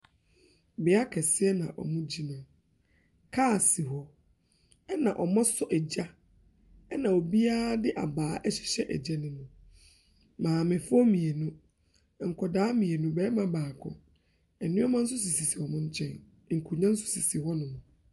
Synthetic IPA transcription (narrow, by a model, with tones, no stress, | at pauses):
bɪ˨a˦kʰɛ˨sɪ˦ɛ˦nã̰˨ʔɔ̰˨mʊ̃˦d͡ʑi˦nãː˨ | kʰa˦˨si˨ɦɔ˨ | ɛ˦nã˨ʔɔ˨mɔ̃˦sʊ˦ʔɛ˨d͡ʑa˦ | ɛ˦nã˨o˨bi˦aː˦dɪ˦ʔa̰˨baː˨˦ʔɛ˦ɕɪ̥˨ɕɛ˦ʔɛ̰˨d͡ʑɛ˦nʊ̃˦nʊ̃˨ | mãː˨mɪ̃˨fɔ˦mĩ˨e˨nʊ̃˦ | ŋ̩˨kʰɔ˨daː˦mĩ˨e˨nũ˦bɛː˦mã˦baː˨kʰɔ̰̃˨ | ɛ˨nʊ̃˦ɔ˦mã˦n̩˦s̬ʊ˦s̬i˨si˨si˨hɔ˨mʊ̃˦ɲ̩˦t͡ɕʰɛ̰̃˦n˦ | ŋ̩˨kʰu˨ɲã˦n̩˦sʊ̥˦si˨si˨hɔ˦nʊ̃˨mʊ̃˨